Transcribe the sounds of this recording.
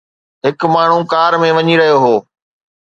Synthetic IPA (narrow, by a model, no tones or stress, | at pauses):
ɦɪkmaːɳ̤ũkaːɾmẽʋɐɲiɾɐɦijoɦoː